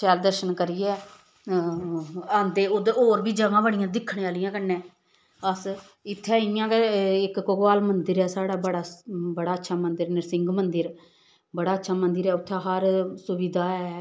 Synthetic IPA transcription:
ʃɛːld̪əɾʃənkəɾiɛː | ənd̪eːod̪oːɾbiːd͡ʒəɡãːbəɽijãːd̪ɪkʰːɳẽːaːlɪjãːkənːɛ̃ː | əs | ɪt̪ʰːɛːɪjãːkəɪkːoɡaːlmənd̪ɪɾɛːsaːɽaːbəɽaːbəɽaːətːʃʰaːmənd̪ɪɾnɪɾsɪŋɡmənd̪əɾ | bəɽaːətːʃʰaːmənd̪ɪɾɛːʊt̪ʰːaːɦəɾsʊʋɪd̪aːɛː

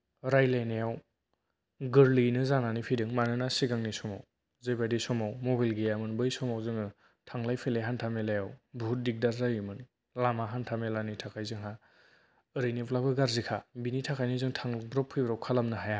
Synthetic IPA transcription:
ɾajlajnejaw | ɡɯɾlinɯzananipʰidɯŋmanɯnasiɡaŋnisɔmaw | zebadisɔmawmɔbajlɡejamɯnbɯjsɔmawzɯŋɯ | tʰaŋlajpʰeleɦantʰamelajawbʱut̚dik̚daɾzajɯmɯn | lamaɦantʰamelanitʰakʰajzɯŋɦa | ɯɾɯjniplabɯɡaɾzikʰabinitʰakʰajnɯzɯŋtʰaŋbɾɔpʰːɯjbɾawkʰalamnɯɦaja

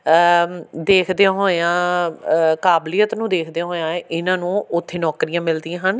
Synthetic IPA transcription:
d̪eːkʰd̪eãːɦoːeãː | kaːblɪjət̪nũːd̪eːkʰd̪ẽãːɦoːãːeʔɪnãːnũːʊt̪ʰːeːnɔːkɾijãːmɪld̪ĩjãːɦən

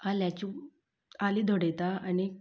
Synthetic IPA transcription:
aljat͡ɕu | alid̪ʱoɽɛt̪aani

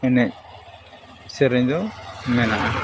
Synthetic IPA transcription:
ɛnɛc̚ | sɛɾɛɲd̪ɔmɛnaʔa

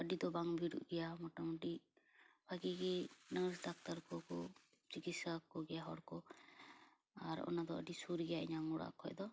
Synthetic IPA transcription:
əɖid̪ɔbaŋbʱiɽṵʔɡɛjamɔʈamɔʈi | bʰʱaɡiɡɛnəsd̪ak̚t̪aɾkɔkɔ | t͡ʃikit̪sakɔɡɛjaɦɔɽkɔ | aɾɔ̰nad̪ɔə̰ɖisuɾɡɛjaɛ̰ɲaŋɡuɽa̰kʰɔjd̪ɔ

